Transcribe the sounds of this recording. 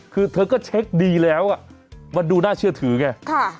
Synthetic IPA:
kɨ˧˩t̪ʰə˨˦jkɔ˨˦t͡ɕʰɛ˦˥k̚ɗi˧lɛ˨˦wʔaː˧˨ma˨˩ɗu˨˩naː˧t͡ɕi˧ət̪ʰɨ˧˩˦ŋɛ˧˩a˧˩

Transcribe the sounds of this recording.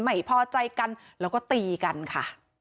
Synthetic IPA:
ma˨˩jpʰɔː˧t͡ɕa˧jka˧nɾɛː˦˥wkɔː˥˩t̪iː˧ka˧nkʰa˥˩

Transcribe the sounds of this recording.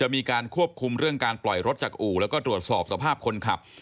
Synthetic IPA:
t͡ɕa˨˩ʔmiː˧kaː˧nkʰu˥˩əp̚kʰu˧mɾɯ˥˩əŋkaː˧nplɔ˨˩jɾo˦˥t̪̚t͡ɕaː˨˩k̚ʔuː˨˩lɛː˦˥wkɔː˥˩t̪ɾu˨˩ət̪̚sɔː˨˩p̚sa˧pʰaː˥˩p̚kʰo˧nkʰa˨˩p̚

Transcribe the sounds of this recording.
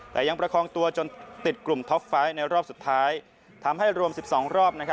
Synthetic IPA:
t̪ɛː˨˩ja˧ŋpɾa˧kʰɔː˧ŋt̪u˧ɐt͡ɕo˧nt̪i˨˩t̪̚klu˨˩mt̪ʰɔ˦˥k̚faː˦˥jna˧jɾɔː˥˩p̚su˨˩t̪ʰːaː˦˥j | t̪ʰa˧mha˥˩jɾu˧əmsi˨˩p̚sɔː˩˦ŋɾɔː˥˩p̚na˦˥kʰa˦˥

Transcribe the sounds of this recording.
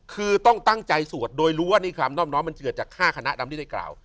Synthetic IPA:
kʰɯː˧t̪ɔ˥˩ŋt̪a˥˩ŋt͡ɕa˧jsu˨˩ət̪̚doː˧jɾuː˦˥waː˥˩niː˥˩kʰa˦˧mnɔː˥˩p̚nɔː˦˥jma˧nt͡ɕɯ˨˩t̪̚t͡ɕaː˨˩kʰaː˥˩kʰa˧na˦˥ʔda˧mtʰiː˥˩a˥˩kla̰ː˨˩w

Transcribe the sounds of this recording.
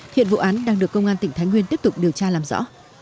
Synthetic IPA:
hḭ˧˨nvṵ˧˨ʔaː˨˦nɗaː˧ŋɗɨ˨˩əkːə˧wŋ͡mʔaː˧t̪ï˧˩ŋ̟t̪ʰa˨˦jŋwi˧nt̪i˦˥əp̚t̪ʊ˨˩k͡p̚ɗi˨˩əwt͡ɕaː˧laː˨˩mzɔ̰˧˥

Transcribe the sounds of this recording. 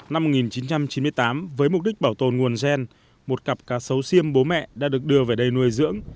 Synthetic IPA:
na˧m̚ː˨˩ŋi˨˩nt͡ɕi˨˦nt͡ɕa˧mt͡ɕi˨˦nmɨ˧əjt̪aː˨˦mvəː˨˦jmʊ˨˩k͡p̚ɗï˦˥k̚ɓaː˧˩wt̪o˨˩nŋu˨˩ənzɛ˧n | mo˨˩t̚ka˨˩p̚kaː˧˩sə˨˦wsi˧əmɓo˨˦mɛ̰˧˨ɗa̰ː˧˥ɗɨ˨˩ək̚ɗɨ˧əve˨˩ɗə˧jnu˧əjzɨ̰˧˥əŋ

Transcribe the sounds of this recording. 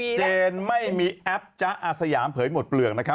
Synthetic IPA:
t͡ɕeː˧nma˥˩jmiː˧ʔɛ˦˥p̚t͡ɕa˦˥ʔaː˧sa˧jaː˩˦mpʰɤː˩˦jmo˨˩t̪̚plɯ˨˩əkna˦˥kʰa˦˥

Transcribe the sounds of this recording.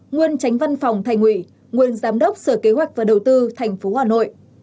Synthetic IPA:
ŋwi˧ənt͡ɕa˨˦jŋ̟va˧nfɔ˨˩wŋ͡mt̪ʰaː˧˩jŋ̟ʔwḭ˧˨ | ŋi˧˨ənzaː˨˦mɗə˦˥wk͡p̚səː˧˩ke˨˦ɦwa˨˩jk̟̚vaː˨˩ɗə˨˩wt̪ɨ˧t̪ʰa˨˩jŋ̟fo˨˦haː˨˩no̰˧˨jʔ

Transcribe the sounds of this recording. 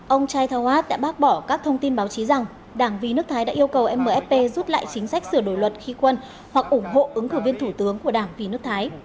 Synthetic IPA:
ʔə˧wŋ͡mt͡ɕaː˧jt̪ʰaː˧whaː˦˥t̚ɗa̰ː˧˥ɓaː˦˥k̚ɓɔ˧˩kaː˦˥k̚t̪ʰə˧wŋ͡mt̪i˧nɓaː˨˦wt͡ɕi˨˦za˨˩ŋ | ɗaː˧˩ŋvi˨˩nɨ˦˥k̚t̪ʰaː˨˦jɗa̰ː˧˥ʔi˧əwkə˨˩wʔɛ˧mːəː˨˩ʔɛ˦˥p̚pe˧zu˦˥t̚la̰ː˧˨jt͡ɕï˨˦ŋ̟sa˦˥k̚sɨ˧˩əɗo˧˩jlwə˨˩t̚xi˧kwə˧n | hwa˨˩k̚ʔʊ˧˩ŋ͡mɦo̰˧˨ʔɨ˨˦ŋkɨ˧˩vi˧ənt̪ʰu˧˩t̪ɨ˨˦əŋku˧˩əɗaː˧˩ŋvi˨˩nɨ˦˥ək̚t̪ʰaː˨˦j

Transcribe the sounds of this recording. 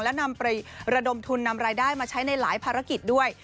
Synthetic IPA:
ŋlɛ˦˥na˧mpa˧jɾa˧do˧mt̪ʰu˧nːa˧mɾaː˧jdaː˥˩jmaː˧t͡ɕʰa˦˥jna˧jlaː˩˦jpʰaː˧ɾa˦˥ki˨˩t̪̚du˥˩əj

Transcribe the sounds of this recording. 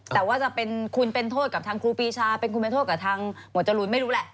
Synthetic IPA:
t̪ɛː˨˩waː˥˩t͡ɕa˨˩pe˧nkʰu˧npe˧nt̪ʰoː˥˩ka˨˩p̚t̪ʰaː˧ŋkʰɾuː˧piː˧t͡ɕʰaː˧pe˧nkʰu˧npe˧t̪ʰoː˥˩t̪̚ka˨˩t̪ʰaː˧ŋm̚˨˩˦t͡ɕa˧lu˧nma˥˩jɾuː˦˥lɛ˨˩ʔ

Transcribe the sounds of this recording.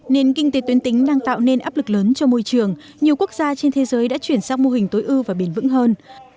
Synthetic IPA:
ne˧nkï˧ŋ̟t̪e˨˦t̪wi˨˦ənt̪ï˨˦ŋ̟ɗaː˧ŋt̪a̰ː˧˨wne˧nʔaː˦˥p̚lɨ˨˩k̚ləː˨˦nt͡ɕɔ˧mo˧jt͡ɕɨ˨˩əŋ | ɲi˨˩əwku˦˥ək̚z̥aː˧t͡ɕe˧nt̪ʰe˨˦zəː˨˦jɗa̰ː˧˥t͡ɕwi˧˩ənsaː˧wŋ͡mmo˧ɦï˨˩ŋ̟t̪o˨˦jʔɨ˧vaː˨˩ɓi˧˩nvɨ̰˧˥ŋɦəː˧n

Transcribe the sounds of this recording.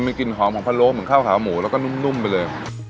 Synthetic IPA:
ma˧ki˨˩nɦɔː˩˦mkʰːpʰa˧nloː˦˥k̚mɯ˩˦nkʰaː˥˩wkʰaː˨˩˦wmuː˩˦lɛ˦˥wkɔ˥˩nu˥˩˨mnu˥˩mpa˧jlɤː˧j

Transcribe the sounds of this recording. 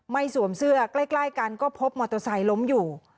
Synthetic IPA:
ma˥˩jsu˩˦əmsɯ˥˩ɐklaː˥˩jklaː˥˩jkaː˧nkɔː˥˩pʰo˦˥p̚mɔː˧t̪o˧sa˨˦jlo˦˥mjuː˨˩

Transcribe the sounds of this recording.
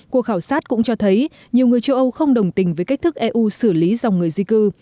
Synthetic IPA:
ku˨˩əkxaː˧˩wsaː˦˥t̚kʊ̰˧˥ŋ͡mt͡ɕɔ˧t̪ʰə˨˦j | ɲi˨˩əwŋɨ˨˩əjt͡ɕə˧wʔə˧wxə˧wŋ͡mɗə˨˩wŋ͡mt̪ï˧˩ŋ̟vəː˨˦jka˦˥k̟̚t̪ʰɨ˦˥k̚ʔɛ˧ʔu˧sɨ˧˩li˨˦za˨˩wŋ͡mŋɨ˨˩əjzi˧kɨ˧

